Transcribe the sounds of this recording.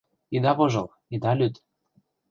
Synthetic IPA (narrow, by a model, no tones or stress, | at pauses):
id̪ɑβoʒɤ̆l | id̪ɑlʲyt̪